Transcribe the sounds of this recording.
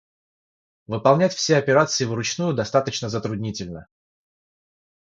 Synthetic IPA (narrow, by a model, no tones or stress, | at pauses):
vɨpɐlˠnʲætʲfsʲeɐpʲɪɾat̪sɨɪvɾʊt͡ɕnujʊd̪ɐst̪at̪ət͡ɕnəzət̪ɾʊdʲnʲitʲɪlʲnə